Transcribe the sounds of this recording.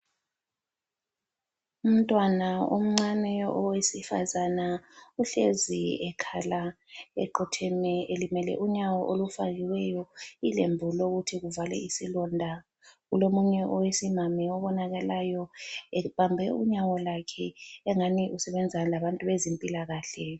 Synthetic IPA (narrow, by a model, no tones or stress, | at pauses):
um̩tʼwanaum̩ŋ͡ǀanɛʔɔwesifa̰zanauɬeziɛkʰalaɛ̰ǃɔtʰɛmɛelimɛlɛ̰ʔuɲawɔʔolufaɣiwɛjɔilḛmbʱuloɣutʰiɣuvalɛ̰isilɔndʱa | ɣulomuɲɛʔɔwesimamiɔβɔnaɣalajɔɛβambʱɛuɲawɔlakʰɛɛŋaniʔusɛβɛnd͡zʱalaβantʼuβezempʼilaɣaːɬɛ